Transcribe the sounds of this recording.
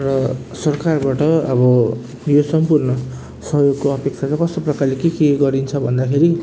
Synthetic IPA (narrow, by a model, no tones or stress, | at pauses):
rʌsʌrkarbaʈʌʌbʌ | josʌmpurnʌ | sʌɦjoɡkoʌpek̚t͡sʰat͡sakʌst̪oprʌkarlekekeɡʌɾint͡sʰʌbʱʌnd̪akʰeɾi